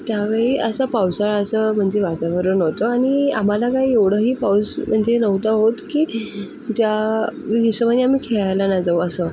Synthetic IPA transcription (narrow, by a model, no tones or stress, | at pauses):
t̪jaʋeɭiːʔəsapawsaɭəsəm̤əɳd͡ʑeʋat̪aʋəɾənəʋt̪oaɽ̃ia̰m̤alakaɦieʋɽ̤əɦiːpawsm̤əɳd͡ʑenəʋt̪aɦot̪kiː | d͡ʑjanisəʋanːiam̤iːkʰeɭajlanad͡zawəsə